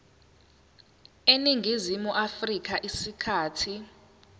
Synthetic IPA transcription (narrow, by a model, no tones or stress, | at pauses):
eniŋɡʱizimuʔafrik̬aʔisikʰaːtʰi